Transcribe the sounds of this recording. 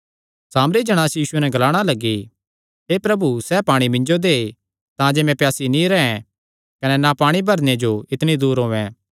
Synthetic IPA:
saːmɾid͡ʒɐɽ̃aːsjiːsʊenɛɡɐlaːɽ̃alɐɡːi | ɦeːpɾɐbusɛːpaːɽ̃imɪ̃ɲd͡ʒod̪eː | t̪ãd͡ʒeːmɛ̃pjaːsinĩɾɛɛ̃ | kɐnɛnapaːɽ̃ibʱɐɾned͡ʒoɪt̪ɽ̃id̪uːɾɦoːɛ̃ː

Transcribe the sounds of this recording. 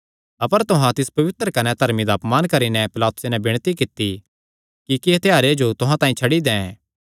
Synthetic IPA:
ɐpəɾt̪ʊɦãt̪ɪspɐʋɪt̪ɾəkɐnɛt̪ɐɾmid̪aːpmaːnkɐɾinɛpɪlaːt̪ʊ̥senɛbɪɽ̃t̪ikɪt̪ːi | kikɪet̪ʰejaːɾed͡ʒot̪ʊɦãt̪ãːĩt͡ʃʰɐɽid̪ɛ̃ːɛ̃ː

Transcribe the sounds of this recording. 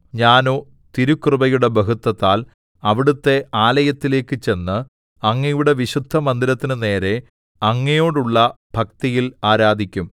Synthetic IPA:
ɲaːno̞ː | t̪iɾukrɨbɐjuɽe̞bɐɦut̪ːɐt̪ːaːl | ɐʋiɽut̪ːe̞ʔaːlɐjɐt̪ːile̞ːkːɨt͡ɕe̞nːɨ | ɐŋːɐjuɽe̞ʋiɕud̪ʱːɐmɐnd̪ilɐt̪ːinɨne̞ːɾe̞ | ɐŋːɐjo̞ːɽuɭːɐ | b̥ʱɐk̚t̪ɐjilaːɾaːd̪ʱikʲːum

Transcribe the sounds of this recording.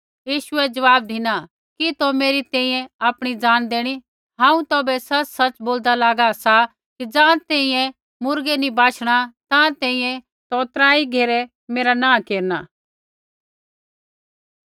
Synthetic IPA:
jiːʃʊɛd͡ʒɐʋaːb̚d̪ɪna | kit̪omeːɾit̪ɛ̃ːĩjɛ̃aːpɽ̃id͡zaːnd̪eːɽ̃i | ɦãːũt̪ɔːbɛsɐt͡ʃsɐt͡ʃboːld̪alaːɡasa | kid͡ʒãːt̪ɛ̃ːĩjɛ̃ | mʊɾɡɛnibaːʃʰɽ̃at̪ãt̪ɛ̃ːĩjɛ̃ | t̪ɔːt̪ɾaːiɡʱeːɾɛ | meːɾanãːkeːɾnaː

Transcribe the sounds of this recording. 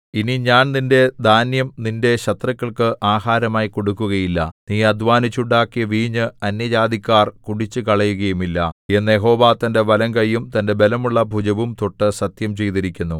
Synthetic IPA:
iniɲaːnninde̞d̪ʱaːnjɐmninde̞ɕɐt̪rɐkːɐɭkɨʔaːɦaːɾɐmaːjiko̞ɽukːuɣɐjilːɐ̰niːɐd̪ʱʋaːnit͡ɕːuɳɖaːkːijɐʋiːɲːɨɐnjɐd͡ʑaːd̪ikʲːaːrkuɽit͡ɕːɨkɐɭɐjuɣɐjumilːɐ̰e̞nːjeɦo̞ːʋaːt̪ɐnde̞ʋɐlɐŋɡɐjːumt̪ɐnde̞be̞lɐmuɭːɐbʱud͡ʑɐʋumt̪o̞ʈːɨsɐt̪jɐmt͡ɕe̞jt̪iɾikʲːunːu

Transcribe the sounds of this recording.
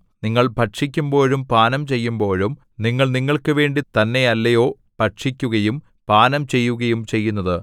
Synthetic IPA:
niŋːɐɭbʱɐʈʂikʲːumbo̞ːɻumpaːnɐmt͡ɕe̞jːumbo̞ːɻum | niŋːɐɭniŋːɐɭkɨʋe̞ːɳɖit̪ɐnːe̞ɐlːɐjo̞ː | pɐʈʂikʲːuɣɐjum | paːnɐmt͡ɕe̞jːuɣɐjumt͡ɕe̞jːunːɐðɨ

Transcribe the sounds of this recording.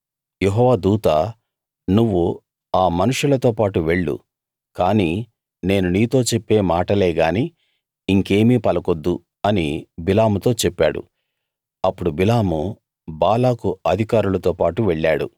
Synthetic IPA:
jeɦɔːʋaːd̪uːt̪a | nuʋːu | aːmɐnuʂulɐt̪o̞ːpaːʈuʋe̞ɭːṵ | kaːniː | ne̞ːnuniːt̪o̞ːt͡ʃepːe̞ːmaːʈɐle̞ːɡaːni | iŋke̞ːmiːpɐlɐko̞d̪ːu | ɐnibilaːmut̪o̞ːt͡ʃepːa̰ːɽṵ | ɐpːuɽubilaːmu | baːlaːkuɐd̪ʱikaːɾulɐt̪o̞ːpaːʈuʋeɭːaːɽṵ

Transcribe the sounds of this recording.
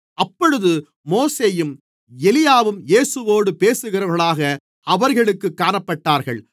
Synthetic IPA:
ʔɐpːɔɻɯðɯ | moːseːjɯm | ɛlɪjaːʋɯmjeːsɯʋoːɽɯpeːsɯɣɪrɐʋɣɐɭaːɣɐ | ɐʋɐɾɣɐɭɯkːɯkːaːɳɐpːɐʈːaːɾɣɐɭ

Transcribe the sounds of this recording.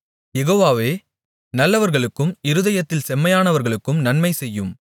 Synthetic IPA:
jɛɣoːʋaːʋeː | nɐlːɐʋɐɾɣɐɭɯkːɯmɪɾɯðɐjɐt̪ːɪlsɛmːɐjaːnɐʋɐɾɣɐɭɯkːɯmnɐnmɐɪsɛjːɯm

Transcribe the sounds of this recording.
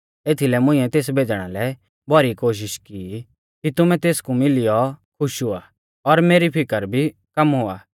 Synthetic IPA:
eːt̪ʰilɛmʊ̃ĩːɛt̪eːs̬bʱeːd͡ʒɽ̃a̰lɛ | bʱɐɾikoːʃ̬ɪʃki | kit̪ʊmɛ̃t̪eːskumɪlɪjɔkʰʊʃɦoːa | ɔɾmeːɾipʰɪkəɾbʱikɐmɦoːa̰ː

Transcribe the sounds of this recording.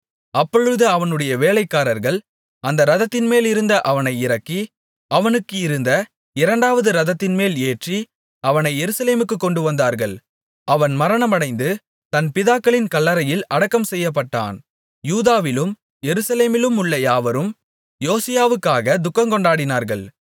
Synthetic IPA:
ɐpːɔɻɯðɯɐʋɐnɯɽɐjɐʋeːlɐɪkːaːɾɐɾɣɐɭ | ɐnd̪ɐɾɐðɐt̪ːɪnmeːlɪɾɯnd̪ɐʔɐʋɐnɐɪɪɾɐkːi | ɐʋɐnɯkːɯɪɾɯnd̪ɐ | ɪɾɐɳɖaːʋɐðɯɾɐðɐt̪ːɪnmeːleːʈri | ɐʋɐnɐɪːɛɾɯsɐleːmɯkːɯkːɔɳɖɯʋɐnd̪aːɾɣɐɭ | ʔɐʋɐnmɐɾɐɳɐmɐɳɐɪnd̪ɯ | t̪ɐnpɪðaːkːɐɭɪnkɐɭːɐɾɐjɪlɐɽɐkːɐmsɛjːɐp̬ːɐʈːa̰ːn | juːðaːʋɪlɯm | jɛɾɯsɐleːmɪlɯmʊɭːɐjaːʋɐɾɯm | joːsɪjaːʋɯkːaːɣɐd̪ʊkːɐŋkɔɳɖaːɽɪnaːɾɣɐɭ

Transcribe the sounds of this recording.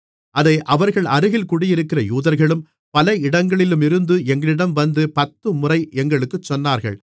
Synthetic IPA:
ʔɐðɐɪʔɐʋɐɾɣɐɭɐɾɯɣɪlkʊɽɪjɪɾɯkːɪrɐjuːðɐɾɣɐɭɯm | pɐlɐɪɽɐŋɡɐɭɪlɯmɪɾɯnd̪ɯɛŋɡɐɭɪɽɐmʋɐnd̪ɯpɐt̪ːɯmʊrɐɪɛŋɡɐɭɯkːɯt͡ʃːɔnːaːɾɣɐ̰ɭ

